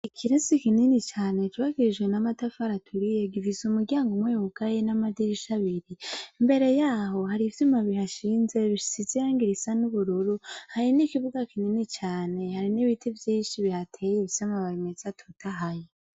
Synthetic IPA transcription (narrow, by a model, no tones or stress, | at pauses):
ikʰiɾesikininit͡ʃaːne̞t͡ʃwaɡiɾiʒɡwe̞namatafaɾatʰuɾije̞ɡivizumuɾɟaːŋɡomweːhukajenamadiɾiʃaβiɾimbe̞ɾe̞jaːho̞haɾivjumaβihaʃiːnze̞βiʃsizijaːŋɡiɾisanuβuɾuɾuhaɾinikiβuɡakininit͡ʃaːne̞haɾiniβitʰivjiːnʃiβihatʰejeβsamaβaɾimet͡satʰutaɦaje